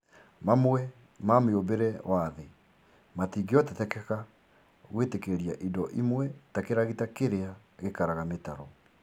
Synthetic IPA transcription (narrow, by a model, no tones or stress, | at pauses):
mamwɛ | mameobeɾɛwaðe | matiːŋɡeɔtɛtɛkɛka | ɣwetekeɾia̰ʔidɔʔimwɛtakeɾaɣitakeɾea | ɣekaɾaɣametaɾɔ